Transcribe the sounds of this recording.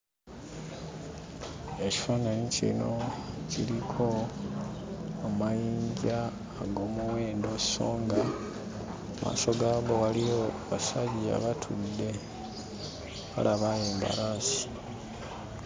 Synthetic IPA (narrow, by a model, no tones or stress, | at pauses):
eci̥fonanicḭnocilikʰo̞ | majiːɲɟaː | ɡo̞ːmuweːndoci̥so̞ːŋɡa | amʔa̰ːso̞ɡaːβowalijo | βasaɟia̰βatʰudːe̞ | ka̰lʔaβajeːmba̰ɾaːsi̥